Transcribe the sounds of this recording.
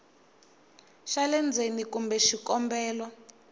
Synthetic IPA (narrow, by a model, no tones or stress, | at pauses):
ʃalɛnd͡zʱenikumbɛʃikɔmbɛːlwɔ